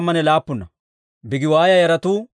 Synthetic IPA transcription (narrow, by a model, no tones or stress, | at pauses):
mːɐnɛlaːpːʊnːɐ | bɪɡɪwaːjɐjɐɾɐt̪uː